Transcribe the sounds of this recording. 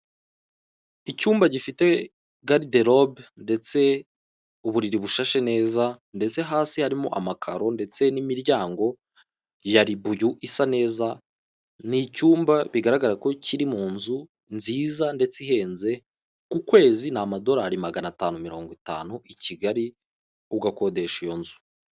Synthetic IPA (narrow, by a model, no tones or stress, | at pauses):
icuːmbaɟifite̞ | ɡaɾideɾobnde̞t͡se̞ | uβuɾiɾiβuʃaʃene̞ːza | nde̞t͡se̞ɦaːsihaɾimo̞̰ʔamakʰa̰ɾo̞nde̞t͡se̞nimiɾjaːŋɡo̞ | jaɾiβujuʔisane̞ːza | nicuːmbaβiɡaɾaɡaɾako̞ciɾimuːnzu | nziːzande̞t͡siɦe̞ːnze̞ | kukwe̞ːzinamado̞ɾaɾimaɡanataːnumiɾo̞ːŋɡwita̰ːnuiciɡaɾi | uɡako̞de̞ʃijo̞nzu̥